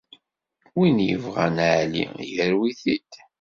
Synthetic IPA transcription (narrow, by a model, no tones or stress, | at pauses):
winjə̰vʁænʕlḭjəɾwiθid̪